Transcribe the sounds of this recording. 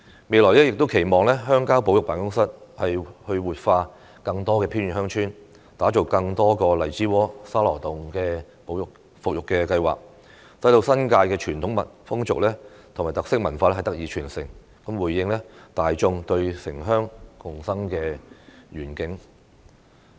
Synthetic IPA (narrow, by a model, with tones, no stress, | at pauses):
me˨jlɔː˨˩jlɛː˥jɪ˨k̚t̪o˥wkʰe˨˩jmɔː˨ŋlɛː˥ɦœː˥ŋkaː˥wpo˨˥wjʊ˨k̚paː˨˩ŋkʊ˥ŋsɐ˥t̚hɐ˨jhɵ˧ɥwuː˨t̚faː˧ | kɐ˧ŋt̪ɔː˥kɛː˧pʰiː˥nɥyː˨˩hœː˥ŋt͡ʃʰyː˥n | t̪aː˨˥t͡ʃo˨wkɐ˧ŋt̪ɔː˥kɔː˧lɐ˨˩jt͡siː˨˥wɔː˨˥saː˥lɔː˨˩t̪ʊ˨ŋkɛː˧ | po˨˥wjʊ˨k | fʊ˨k̚jʊ˨kːɛː˧kɐ˧jwa̰ː˨k̚ | sɐ˨˥jt̪o˧wsɐ˥nkaː˧jkɛː˧t͡ʃʰyː˨˩nt̪ʰʊ˨˥ŋmɐ˨t̚fʊ˥ŋt͡sʊ̰˨k̚lɛː˥ | t̪ʰmaː˨jt̪ɐ˨k̚sɪ˥k̚mɐ˨˩nfaː˧lɛ˥hjt̪k̚jiː˨˧t͡ʃʰyː˨˩nsɪ̰˨˩ŋ | kɐ˨˥mwuː˨˩jːɪ˧ŋlɛ˥t̪aː˨jt͡ʃʊ˧ŋt̪ɵ˧ɥsɪ˨˩ŋɦœː˥ŋkʊ˨ŋsɐ˥ŋkɛː˧ɥyː˨˩nkɪ˨˥ŋ